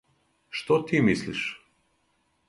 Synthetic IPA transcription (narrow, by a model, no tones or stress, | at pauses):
ʃt̪ɔt̪imislḭʃ